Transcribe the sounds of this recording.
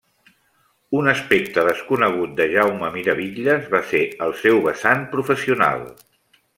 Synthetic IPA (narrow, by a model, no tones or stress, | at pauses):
unəspek̚t̪əðəskunəɣ̞ut̪̚d̪əʒawməmiɾəβiʎəzβaseəlˠsɛwβəsanpɾufəsiuna̰lˠ